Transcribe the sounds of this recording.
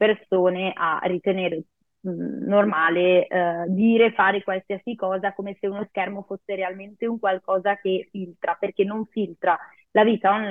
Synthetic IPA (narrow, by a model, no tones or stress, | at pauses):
persoːneʔa̰rit̪eneːɾe | normaːled̪iːɾefaːɾekwalsiasikɔːzakoːmeseunoskɛrmofosːeɾealment̪euŋkwalkɔːzakefilt̪ɾaperk̟enːoɱfilt̪ɾa | laviːt̪anon